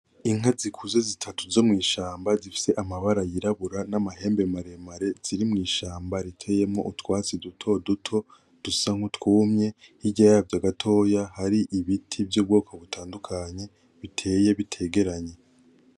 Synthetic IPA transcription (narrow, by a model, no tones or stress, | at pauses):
iŋ̥ɦazikʰuze̞zitʰatuzo̞mŋiːʃaːmbazifi̥se̞ʔamaβaɾajiɾaβuɾanamaɦe̞ːmbe̞maɾe̞maɾez̥iɾimŋiːʃaːmbaɾitʰe̞je̞mŋo̞̰ʔutwaːt͡sidutʰo̞dutʰo̞ | d̥usaŋ̥hutkuːmɲe̞hiɟajavjaɡatʰo̞jahaɾiʔiβitʰibjub̚ɡoːkʰoβutʰaːndukʰaɲe̞ | βitʰe̞ːje̞βitʰe̞ːɡe̞ɾaɲe̞